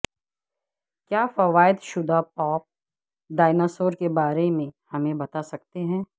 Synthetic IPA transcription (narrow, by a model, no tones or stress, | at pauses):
kjaːfɐʋaːɪd̪ʃʊd̪ʱapɔːp̚ | ɖaːɪnɔsoːɾkebaːɾemẽhɐmẽbɐt̪asɐk̚t̪eɦɛ̃ː